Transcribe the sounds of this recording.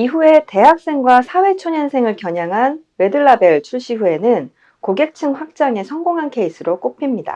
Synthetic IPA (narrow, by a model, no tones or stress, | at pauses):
iɸue̞te̞ɦak̚s͈e̞ŋɡwasʰawe̞t͡ɕʰoɲʌnsʰe̞ŋɯɭkjʌɲaŋɦan | we̞dɯɭːabe̞ɭt͡ɕʰuɭɕ͈iɦue̞nɯn | koɡe̞k̚t͡ɕʰɯŋɸwak̚t͡ɕ͈aŋe̞sʰʌŋɡoŋɦankʰe̞isʰɯɾok͈opʰimɲida̰